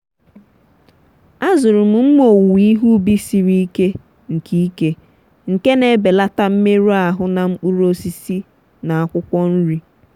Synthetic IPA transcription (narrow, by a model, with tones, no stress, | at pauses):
a˦zʊ˨ɾʊ˨m̩˨m̩˦mo˨wi˦ɦu˦bi˦si˦ɾi˦i˦ke˦ | ŋ̩˨ki˦i˦ke˦ | ŋ̩˨ke˦ne˨be˨la˦ta˦m̩˦me˦ɾu˦a˨ɦʊ˦na˨ŋ͡m̩˦k͡pu˦ɾo˦si˦si˦ | na˨a˦kʷʊ˦kʷɔ˦n̩˦ɾi˦